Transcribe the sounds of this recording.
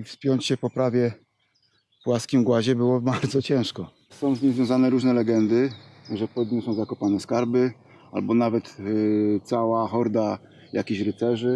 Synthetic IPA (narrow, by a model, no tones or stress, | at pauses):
ifspʲjɔɲt͡ɕɕɛpɔpɾavʲjɛ | pwaskʲimɡwaʑɛbɘwɔbaɾd̪zɔt͡ɕɛ̃w̃ʂkɔ | sɔ̃w̃zɲĩmzvʲjɔ̃w̃zanɛɾuʐnɛlɛɡɛnd̪ɘʐɛpɔd̪ɲusɔ̃w̃zakɔpanɛskaɾbɘ | a̰lbɔnavɛt̪t̪sawaxɔɾd̪a | ja̰kʲeɕɾɘt̪sɛʐɘ